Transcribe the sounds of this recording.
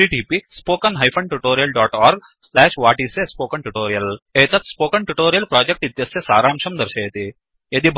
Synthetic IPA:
iʈiːpispoːkənɦajfʰɐɳʈuʈoːɾijəlɖɔːʈɔːɾɡ | slɛːʃʋaːʈisespoːkəɳʈuʈoːɾijəleːt̪ɐt̪spoːkəɳʈuʈoːɾijəlpɾɔːd͡ʑek̚ʈit̪jɐsjesaːɾaːmʃʰɐmd̪ɐɾʃɐjet̪i | jɐd̪iːbʱ

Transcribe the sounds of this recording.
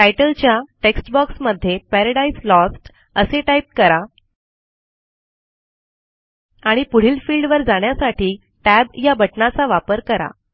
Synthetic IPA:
ʈajʈəlt͡ɕjaʈeksʈbɔksməd̪ʱːjepæɾəɽaislɔsʈ | əseʈajp̚kəɾa | aɽ̃ipuɽ̤iːlfiːlɖʋəɾd͡zaɳjasaʈʰiː | ʈæbjabəʈnat͡saʋapəɾkəɾa̰

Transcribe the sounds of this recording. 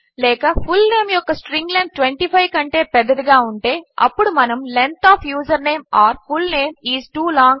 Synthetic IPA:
leːkɐfʊlneːmjɔkːɐsʈɾɪ̃ŋɡlɐn̚ʈʋɛɳʈiːfɐɪkɐɳʈeːpɛðɐðɯɡaːʊɳʈeːʔɐ̰pːɔɽɯmɐnɐmlɛnt̪aːfjuːsɐɾneːmaːɾfʊlneːmiːsʈuːlɔ̃ːŋɡ

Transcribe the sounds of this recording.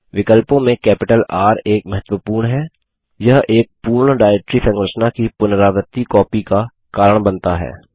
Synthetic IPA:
ʋɪkəlpõmẽkɛːpɪʈəlaːɾeːkmɐɦət̪wəpuːɾɳɦɛː | jɐɦeːk̚puːɾɳɖaːeːk̚ʈɾisɐ̃ŋɡɾəʃnakipʊnəɾaːʋət̪ːikɔːpika | kaːɾəɽ̃bɐ̃nt̪aɦɛ̰ː

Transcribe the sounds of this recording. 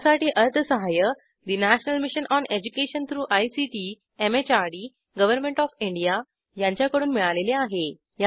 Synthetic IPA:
saʈiːʔəɾt̪ʰəsəɦajə | d̪inæɕnəlmiɕənʔɔned͡ʑukeɕənt̪ʰɾuːʔajsiʈi | emet͡ɕaɾɽi | ɡəʋəɾmẽɳʈɔfiɳɖija | jãɲt͡ɕjakəɽuːnmiɭaleleaɦe | ja

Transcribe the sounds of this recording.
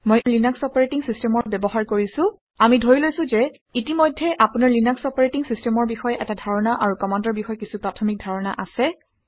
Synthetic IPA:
mojlinaksɔpaɹetiŋsistɛmɔɹbɛbɔɦaɹkoɹisʊ̃ | amidʱoɹilojsʊ̃zɛ | itimojdʱːɛʔapunaɹlinaksɔpaɹetiŋsistɛmɔɹbixɔjɛʔɛtadʱaɹɔnaʔaɹukɔmandɔɹbixɔjɛkisupɹatʰɔmik̚dʱaɹɔna̰ʔasɛ

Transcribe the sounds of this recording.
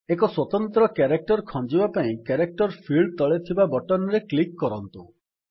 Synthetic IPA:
ekɔswɔt̪ɔnt̪ɾɔkeɾek̚ʈɔɾkʰɔ̃d͡ʒibapaĩkeɾek̚ʈɔɾpʰiɭɖt̪ɔɭet̪ʰibabɔʈɔnɾeklikːɔɾɔnt̪u

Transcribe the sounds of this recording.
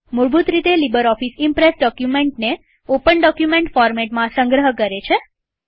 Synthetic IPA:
muɾbut̪ɾit̪elibəɾɔfisimpɾesɖɔkjumeɳʈne | opəɳɖɔkjumẽɳʈfɔɾmeʈmãsə̃ŋɡɾəɦəkəɾet͡ʃʰe

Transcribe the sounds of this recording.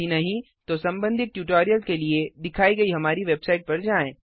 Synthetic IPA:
inɐɦĩ | t̪osɐ̃mbə̃nd̪ʱɪt̪̚ʈjuːʈoːɾijəlkelied̪ɪkʰaːiɡɐiɦɐmaːɾiʋeːbsaːɪʈ̚pɐɾd͡ʒaːẽː

